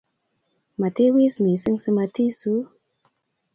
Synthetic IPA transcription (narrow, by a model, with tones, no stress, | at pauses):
ma˨te˦wi˦smi˨sɨ˦ŋsɨ˧ma˧ti˦su˦